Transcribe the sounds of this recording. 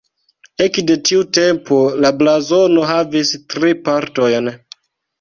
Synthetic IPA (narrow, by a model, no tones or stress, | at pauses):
e̞kde̞tiute̞mpo̞lablazo̞no̞ɦavistɾipaɾto̞jn